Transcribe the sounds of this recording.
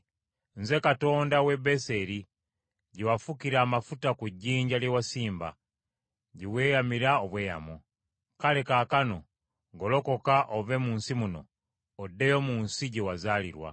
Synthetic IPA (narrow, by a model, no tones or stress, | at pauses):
nze̞kato̞ːndawe̞be̞se̞ɾi | ɟiwafukiɾaːmafutakuɟːiːɲɟaljewasiːmba̰ | ɟiβwe̞ːjamiɾaoβwe̞ːja̰mo | kale̞kaːkano̞ | ɡolo̞ko̞kaʔove̞muːnsimuno̞̰ː | dːejo̞muːnsiɟewazaːlḭɾwa̰